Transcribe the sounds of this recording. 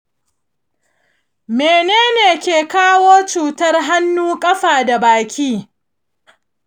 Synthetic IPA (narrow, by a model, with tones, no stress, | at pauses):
meː˨neː˦neː˨kʲeː˨kaː˦woː˦t͡ʃuː˨tɐ˦rɦa˦nːuː˦kʼɐ˦ɸaː˨da˨baː˨kʲiː˦